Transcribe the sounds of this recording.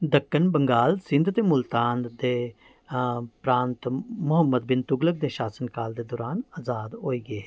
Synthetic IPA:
d̪əkːənbəŋɡaːlsɪ̃nd̪t̪emʊlt̪aːnd̪d̪e | pɾaːnt̪mʊɦəmːəd̪̚bɪnt̪ʊɡlək̚d̪eʃaːsənkaːld̪ed̪ɔːɾaːnaːzaːd̪ɦoːiːɡe

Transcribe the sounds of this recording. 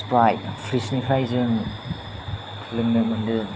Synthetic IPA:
spɾajtpʰɾisnipʰɾajzɯŋ | tʰlɯŋnɐmɯndɯ

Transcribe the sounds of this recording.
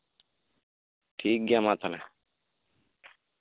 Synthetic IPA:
ʈʰiːk̚ɡamat̪ʰana

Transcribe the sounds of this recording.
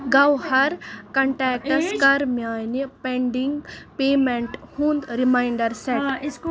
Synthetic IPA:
ɡɐwhɐɾkɐɳʈɛːk̚ʈɐskɐɾmjaːjnipeɳɖiŋɡpeːmeɳʈhũːnd̪ɾimajɳɖɐɾseʈ

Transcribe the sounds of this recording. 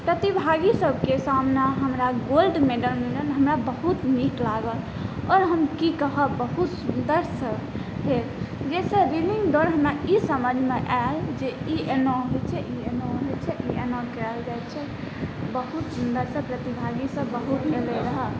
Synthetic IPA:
pɾət̪ibʱaɡisəb̚ʱkesamnaɦəmɾaɡolɖmeɖəlmelənɦəmɾabəɦut̪niklaɡəl | ɔɾɦəmkikəɦəbəɦut̪sund̪əɾsə | ɦeld͡ʒɛsẽɾiniŋɡɖoɾɦəmɾaisəməd͡ʒʱmeʔald͡ʒeienoɦojt͡ʃʰɛʔienoɦojt͡ʃʰɛʔienokɛld͡ʒajt͡ʃʰɛ | bəɦut̪sund̪əɾsə̃pɾət̪ibʱaɡisəbːəɦut̪neleɾəɦə

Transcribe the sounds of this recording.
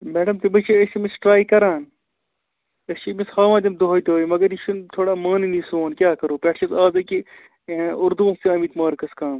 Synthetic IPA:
meːɖɐmt̪ebɐt͡ʃʰeest͡ʃimisʈɾaːikɐɾaːn | ɐst͡ʃimishaːʋãːd̪ʲɐmd̪oɦoːjt̪ooːimɐɡɐɾiʃunt̪ʰoːɽaːmaːninisoːnkʲjaːkɐɾoːpʲɛʈʰʃɐzaːzɐki | ʊɾd̪uʋɐst̪iɐːmiːt̪maːɾkɐskaːm

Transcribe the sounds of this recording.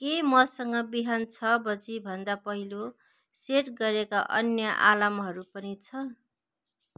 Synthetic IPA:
kemʌsʌŋɡʌbiɦant͡sʰʌbʌd͡zibʱʌnd̪apʌɦilo | seʈɡʌɾekaʔʌ̰njʌʔa̰lamɦʌɾupʌnit͡sʰʌ

